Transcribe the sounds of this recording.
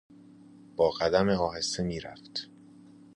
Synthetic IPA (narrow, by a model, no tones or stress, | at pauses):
b̥ɒːɣæd̪æmeɒːhe̞semiːɾæft̪